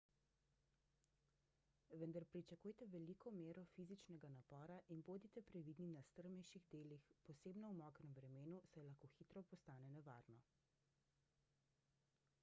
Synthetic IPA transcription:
ʋənd̪aɾpɾit͡ʃakuːjt̪ɛʋɛlikɔmeːɾɔfiːzit͡ʃnɛɡanapɔːɾaʔinboːd̪it̪ɛpɾɛʋid̪ninast̪əɾmɛjʃiɣd̪eːlixpɔseːbnɔwmɔkɾɛmvɾɛmeːnusajlaxkoːxiːt̪ɾɔpɔst̪aːnɛnɛʋa̰ːɾnɔ

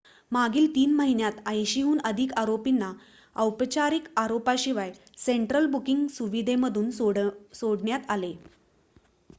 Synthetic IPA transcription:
maɡiːlt̪iːnməɦinjat̪əjɕiɦuːnəd̪ʱikaɾopinːa | əwpt͡ɕaɾikaɾopaɕiʋaj | seɳʈɾəlbukiŋɡsuʋid̪ʱeməd̪ʱuːnɽsoɽɳjat̪ale

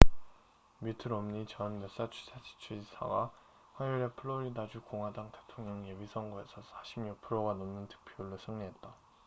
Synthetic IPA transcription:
mitʰɯɾʌmɲit͡ɕʌnmes͈at͡ɕʰu̥sʰad͡ʑʰi̥t͡ɕʰud͡ʑisʰa̰ɡa | ɸwajuɾe̞pʰɯɭːoɾidad͡ʑukoŋɦwadaŋte̞̥tʰoŋɲʌŋjebisʰʌŋɡoe̞sʰʌsʰaɕʰimɲuk̚pʰɯɾoɡanʌmnɯntʰɯ̥k̚pʰioɭːosʰɯŋɲiɦe̞t̚t͈a

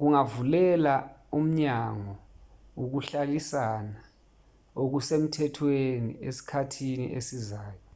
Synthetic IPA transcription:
k̬uŋavulɛlaum̩ɲaŋɔ | ok̬uɬalisana | ok̬usem̩tʰɛtʰwenḭesi̥kʰatʰinḭʔesizaːjɔ

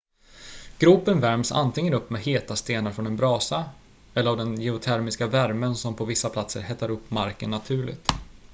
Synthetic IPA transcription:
ɡ̥ɾuːpənvæɾmsa̰nt̪ʰɪŋːənɵpːmɛheːt̪ast̪eːnaɾfɾɔnɛnbɾɑːsa | ɛlːəɾavd̪ɛnjɛʊt̪ʰæɾmɪskavæɾmənsɔmpʰɔvɪsːapʰlat̪sə̰ɾhɛt̪ːaɾɵpːmaɾkənːat̪ʰʉ̟ːɭɪ̰ɡ̚t̪

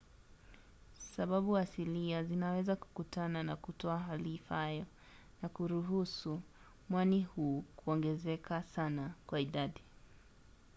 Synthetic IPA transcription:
saɓaɓuasiliazinawɛzaku̥kutananakutɔaɦalifahajɔ | nakuɾuɦusu | mwanihuːkuɔŋɡɛzɛkʰasanakwaiɗaɗi

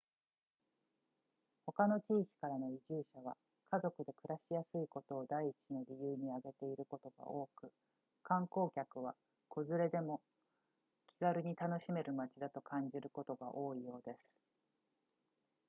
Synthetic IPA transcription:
ho̞kano̞t͡ɕiːkʲi̥kaɾano̞iʑɨːɕaβ̞a̰ | kʰazo̞kɯ̟d̪e̞kɯ̟ɾaɕijasɨiko̞t̪o̞ːd̪aiːt͡ɕino̞ɾʲijɯːɲ̟iaɡe̞t̪e̞iɾɯ̟ko̞t̪o̞ɡ̥a̰ʔo̞ːkɯ̟ | kãŋko̞ːkʲakɯ̟β̞a | kʰo̞zɨɾe̞d̪e̞mo̞ | kʲiɡaɾɯ̟ɲ̟it̪ano̞ɕime̞ɾɯ̟mat͡ɕid̪at̪o̞kʰãɲ̟d͡ʑiɾɯ̟ko̞t̪o̞ɡa̰ʔo̞ːijo̞ːd̪e̞sɨ̥

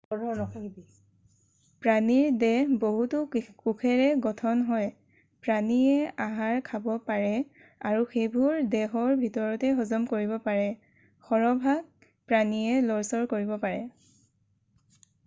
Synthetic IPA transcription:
ɔɔnɔ | pɹaniɹdɛboɦutukukʰɛɹɛɡɔtʰɔnɦɔj | pɹaniɛaɦaɹkʰabɔpaɹɛ | aɹuxebʱuɹdɛɦɔɹbʱitɔɹɔtɛɦɔzɔmkoɹiβɔpaɹɛ | xɔɹɔbʱaɡ̚ | pɹaniɛlɔɹsɔɹkoɹibɔpaɹɛ

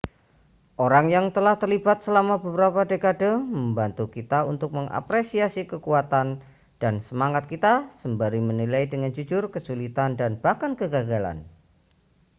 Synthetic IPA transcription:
ʔoɾaŋjaŋt̪əlaht̪ərlibat̪̚səlamabəbəɾapadekadoməmbant̪ukit̪aunt̪ʊk̚məŋʔa̰pɾesiasikəkuat̪an | d̥ansəmaŋat̪̚kit̪asəmbaɾimənilaidəŋand͡ʒud͡ʒʊrkəsulit̪andanb̥ahkankəɡaɡala̰n

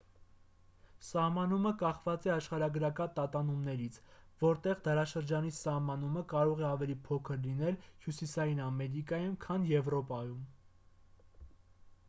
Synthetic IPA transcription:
sɑhmɑn̪uməkɑχvɑt͡sɛɑʃχɑɾɑɡəɾɑkɑt̪ɑt̪ɑnumnɛɾit͡sʰvɔɾt̪ɛʁd̪ɑɾɑʃəɾd͡ʒɑnisɑhmɑnuməkɑɾɔʁɛɑvɛlipʰɔkʰəɾlinɛlhjusisɑjinɑmɛɾikɑjumkʰɑnjɛvɾɔpɑjum

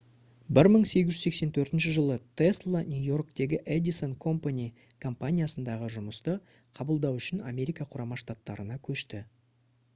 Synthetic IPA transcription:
bɪɾməɴse̞ɡʲɪʒʏ̥zse̞kse̞nt̪ʰɵɾt̪ɪnʃɪʒəlˠət̪ʰeslˠonʲujo̞rkt̪e̞ɡʲɪʔed̪iso̞nkʰo̞mpanʲi | kʰo̞mpanʲijasənd̪ɑʁəʒʊməst̪ə | qʰɑbəlˠd̪ɑwʏʃɪna̰me̞ɾʲijkɑqʰʊɾɑmɑʃt̪at̪ːɑɾənɑkʲʰɵʃt̪ɪ

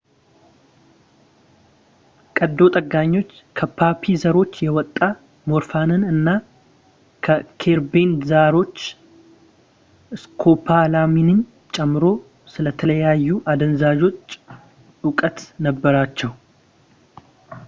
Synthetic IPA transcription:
kʼəd̪ːo̞t̪ʼəɡːaɲːo̞t͡ʃː | kʰəpʰapʰizəɾo̞t͡ʃːjɛwɔt̪ʼːa | mo̞ɾfanɨnɨnːa | kʰəkʰe̞ɾbenzaɾo̞t͡ʃː | ʔɨskʰo̞pʰalaminɨn | t͡ʃʼɛmːɨɾo̞ | sɨlət̪ʰələjajːuʔad̪ənzad͡ʒo̞t͡ʃː | ʊkʼət̪nəbːəɾat͡ʃːɛw

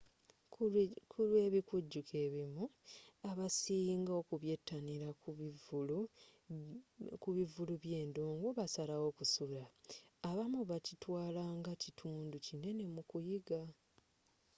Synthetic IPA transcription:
kʰulweːβikuɟːukʰe̞ːβimuaβasiːŋɡao̞ːkuβje̞tːaniɾakvl | kuβivuluβje̞ːndoːŋɡoβasalawo̞kusulaːβamuβacitwaːlaːŋɡacitʰuːnducine̞ne̞mukujiɡa

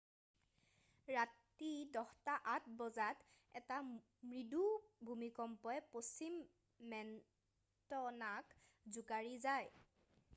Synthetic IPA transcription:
ɹat | idɔxtaʔatbɔzat | ɛta | mɹidubʱumikɔmpɔɛposimː | ɛn | tɔnak | zukaɹizaj

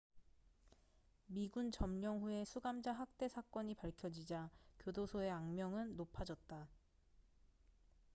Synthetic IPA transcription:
miɡunt͡ɕʌmɲʌŋɸue̞sʰuɡamd͡ʑaɦak̚t͈e̞sʰak͈ʌɲipaɭkʰjʌd͡ʑid͡ʑakjodosʰoe̞aŋmjʌŋɯnːopʰad͡ʑʌt̚t͈a

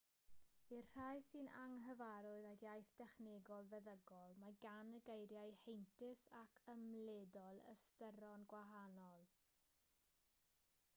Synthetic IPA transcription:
irr̥ajsɨnaŋɦəvaɾʊɨðakjajθd̥ɛχnɛɡɔlˠvɛðəɡɔlˠmaɡanəɡejɾjajhejntʰɪsakʰəmlɛdɔlˠə̰stəɾɔnɡwaɦanɔlˠ

